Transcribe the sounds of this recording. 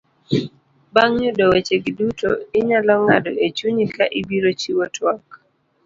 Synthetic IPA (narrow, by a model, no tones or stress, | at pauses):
baŋɲudɔwet͡ʃeɡidutʰo̰ɪɲalɔŋa̰dɔet͡ʃuɲikaʔɪbiɾot͡ʃiwɔtʰwak